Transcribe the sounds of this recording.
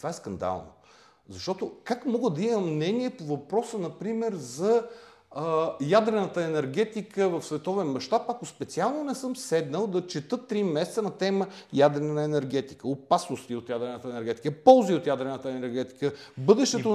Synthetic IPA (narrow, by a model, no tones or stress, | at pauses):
t̪ovaɛskɐnd̪a̰lˠno̰ | zɐʃt̪ɔt̪okakmɔɡəd̪ɐiməmnɛniɛpovɐpɾɔsənɐpɾimɛɾzɐ | jad̪ɾɛnət̪əɛnɛɾɡɛt̪ikəvɐfsvɛt̪ɔvɛnmɐʃt̪apɐkospɛt̪sialˠnonɛsɤmsɛd̪nəlˠd̪ɐt͡ʃɛt̪ɤt̪ːɾimɛsɛt̪sənɐt̪ɛməjad̪ɾɛnəɛnɛɾɡɛt̪i̥kəopasnost̪iot̪jad̪ɾɛnət̪əɛnɛɾɡɛt̪ikəpɔlˠziot̪jad̪ɾɛnət̪əɛnɛɾɡɛt̪i̥kəbɤd̪ɛʃt̪ɛt̪o